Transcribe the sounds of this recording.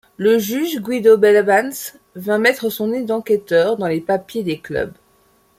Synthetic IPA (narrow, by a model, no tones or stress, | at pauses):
ləʒyʒɡwid̪obɛlbans | vɛ̃mɛt̪χəsɔ̃ned̪ɑ̃kʲɛt̪œʁd̪ɑ̃lepapjed̪eklœ̰b